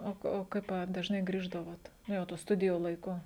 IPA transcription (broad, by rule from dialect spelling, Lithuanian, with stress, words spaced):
ˈoː oː ˈkɐɪp ɐ dɐʒˈnɐɪ ˈɡrʲiːʒdɐʋoːt ˈnʊ jɛʊ tuː ˈstʊdʲɪjuː lˠɐɪˈkʊ